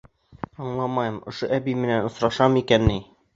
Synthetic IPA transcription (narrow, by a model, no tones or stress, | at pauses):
ɒɴlˠɑmɑjɤmŏʃoʔæbimɘ̆nænŏsɾɑʃɑmikænːi